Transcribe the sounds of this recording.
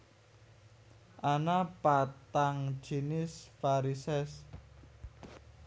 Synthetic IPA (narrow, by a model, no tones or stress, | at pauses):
ʔanapat̪aŋ̥ʒ̥inɪsfaɾisɛs